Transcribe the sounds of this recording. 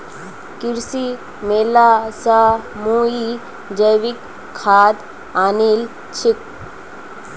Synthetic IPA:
kɪɾsi | meːlasamuːi | d͡ʒəjʋɪkʰː | aːd̪ | aːniːl | t͡ʃʰɪk̚

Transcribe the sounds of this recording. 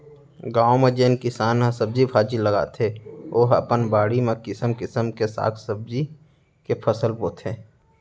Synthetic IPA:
ɡãːõmẽd͡ʒeːnkɪsaːnãsəb̚d͡ʒibʰʱaːd͡ʒiləɡa̰ːt̪ʰeoːɦə̰pənbaːɽimẽkɪsəmkɪsəmkesa̰ːt̪ʰsəb̚d͡ʒi | kepʰəsəlboːt̪ʰẽː

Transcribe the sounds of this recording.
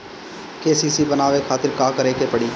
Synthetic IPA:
keːsiːsiːbənaːʋekʰaːt̪ɪɾkaːkəɾeːkepəɽiː

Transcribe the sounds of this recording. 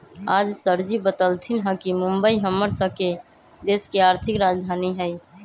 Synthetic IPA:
ad͡ʒsəɾd͡ʒibət̪əlt̪ʰinɦə̃kimumbəiɦəmːəɾsə̃ke | d̪eskeaɾt̪ʰikɾad͡ʒd̪ʱaniɦəj

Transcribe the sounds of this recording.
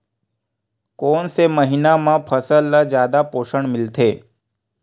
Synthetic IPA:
konseməɦinamãpʰəsəlːəd͡ʑjaːd̪apoːʃəɳmɪlt̪ʰeː

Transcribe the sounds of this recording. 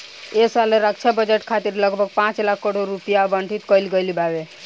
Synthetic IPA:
esaleɾəkt͡ʃʰabəd͡ʒeʈkʰat̪iɾləɡbʱəɡ̚pãt͡ʃlakʰːəɽoɾːupijabəɳʈʰit̪kəɪlɡəjlibabe

